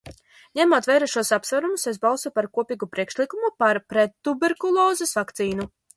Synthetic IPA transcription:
ɲɛmuɔt̪væjɾaʃuɔsapsvaɾumuses̬balˠsupaɾkuɔpiːɡupɾiɛkʃlˠikumupaɾpɾɛt̪ːubeɾkulˠɔːzesvakt̪siːnu

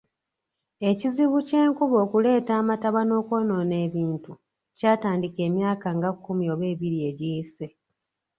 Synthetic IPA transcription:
e̞ciziβuce̞ːŋkuβo̞ːkule̞ːtaːmataβano̞ːko̞ːno̞ne̞ːβiːntu | caːtaːndike̞ːmjaːkaŋɡakːumio̞ːβeːβiɾie̞ɟise

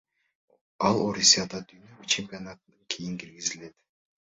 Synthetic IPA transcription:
ɑlˠoɾʲisijad̪ɑd̪yjnøyt͡ʃʰe̞mʲpʲionat̪ɯnɯŋkʰijiŋkiɾɡizile̞t̪

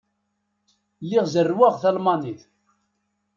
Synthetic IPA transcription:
lːiʁzərːwæʁθælmɑniθ

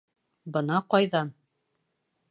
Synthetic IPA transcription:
bɤnɑqɑjðɑn

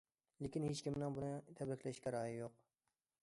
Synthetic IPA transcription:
lekʲinhet͡ʃkʲimnɪŋbunɨt̪ʰɛbɾɪkʲʰlɛʃkʲɛɾɑːjijoq

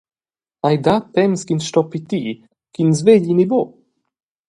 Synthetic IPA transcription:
ajd̪at̪ɛmskinʃt̪ɔpit̪i | kinzveʎinibo

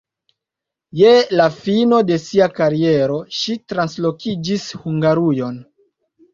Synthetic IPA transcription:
jelafino̞de̞siakaɾie̞ɾo̞ʃitɾanslo̞kid͡ʒishuŋɡaɾujo̞n

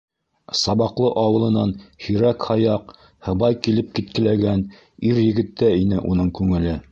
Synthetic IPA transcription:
sɑβɑqlˠɤʔɑwɤ̆lˠɤ̆nɑnhɵ̆ɾækhɑjɑq | hɤ̆βɑjkilɘp̚kit̪̚kɘ̆læɡæn | iɾjɘ̆ɡɘ̆t̪ːæinɘʔunɤɴkʉŋɘ̆lɘ

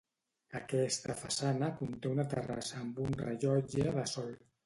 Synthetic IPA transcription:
əkɛst̪əfəsanəkunt̪eunət̪ə̰ra̰səːmbunrə̰ʒɔd͡ʒəðəsɔlˠ

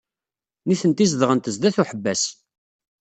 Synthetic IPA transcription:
niθənt̪izðʁənt̪əzd̪æθuħəbːæs

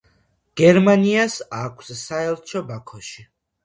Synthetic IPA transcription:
ɡ̥ɛɾmaniasakʷʰsːaɛlˠt͡ʃʰɔbakʰɔʃi

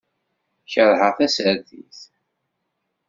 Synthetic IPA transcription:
çəɾˤhəθæsəɾθḭθ

